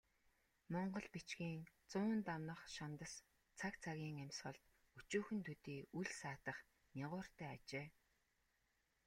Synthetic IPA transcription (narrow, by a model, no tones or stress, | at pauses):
mɔɴɢɞ̆ɮpit͡ɕɡiːŋt͡sʊːnt̪amnə̆χʃant̪ə̆s | t͡sʰakt͡sʰaɣʲiːŋæmʲsχə̆ɮt̪ | ut͡ɕuːxɘ̆nt̪ʰut̪iːuɮsaːt̪ə̆χ | nʲaʁʊːr̥t̪æːat͡ɕeː